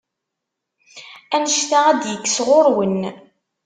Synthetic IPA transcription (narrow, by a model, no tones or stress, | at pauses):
ænəʃθaæd̪jəkːsʁoɾwən